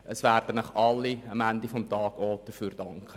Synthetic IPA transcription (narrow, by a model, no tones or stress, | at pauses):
ʔəsvæːrdənəχɑlːiɑmændifɔmtɑːɡ̥oːd̥əfyːɾd̥ɑŋkə